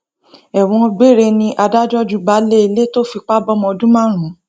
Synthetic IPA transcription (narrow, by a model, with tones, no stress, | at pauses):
ɛ˨w̃ɔ̃˧ɡ͡be˦˨ɾe˧nĩ˧ʔa˧da˦d͡ʒɔ˦d͡ʒu˨˦ba˨˦le˦i˧le˦to˦fi˧k͡pa˦bɔ˦mɔ̃˧dũ˦mã˦˨ɾ̃ũ˨˦